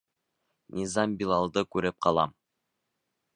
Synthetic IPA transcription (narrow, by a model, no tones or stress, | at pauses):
nʲizɑmbilˠɑlˠd̪ɤkʉɾɘp̚qʰɑlˠɑ̰m